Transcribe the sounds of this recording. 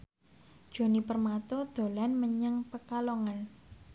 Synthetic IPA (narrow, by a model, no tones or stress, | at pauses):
d̥ʒ̥o̤nipərmat̪ɔd̪̥o̤lanməɲəŋpəkaloŋan